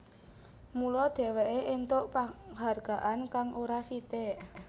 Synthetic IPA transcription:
mulɔd̪̥ɛ̤weʔeʔent̪ʊʔpaɦarɡ̥a̤ʔankaŋʔoɾasit̪eʔ

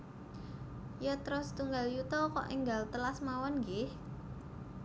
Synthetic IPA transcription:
jɔt̪ɾɔst̪uŋɡaljut̪ɔkɔ̰ʔiŋɡalt̪əlasmawɔnŋɡɪh

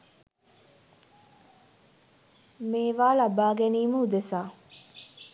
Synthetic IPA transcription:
meːʋaːlabaːɡæniːməud̪esaː

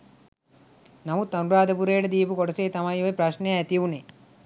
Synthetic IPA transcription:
nɐʋut̪ɐnuɾaːd̪ɐpuɾeːɖɐd̪iːpukɔɽɐseːt̪ɐmajʋɐjpɾɐʃnejajɐt̪ijʋune

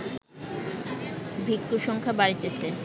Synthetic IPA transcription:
bʱikːoʃɔŋkʰabaɾit̪et͡ɕʰe

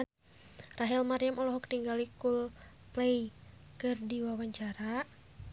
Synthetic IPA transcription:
raɦɛlmaɾijamɔlɔɦɔkt̪iŋɡalikul | plɛjkɨrdiwawaɲt͡ʃaɾa

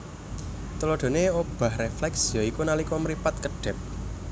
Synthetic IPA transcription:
t̪əloɖ̥o̤neob̥a̤hreflɛksjɔikunalikɔməɾipat̪̚kəɖ̥ɛ̤p̚

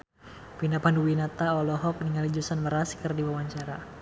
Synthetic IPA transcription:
pinapanduwinat̪aɔlɔɦɔk̚nəŋalid͡ʒusanməɾaskərdiwawaɲt͡ʃaɾa

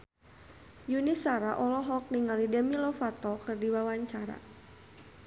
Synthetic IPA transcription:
junisaɾaʔɔlɔɦɔk̚niŋalidəmilɔfat̪ɔkɨrdiwawaɲt͡ʃaɾa̰

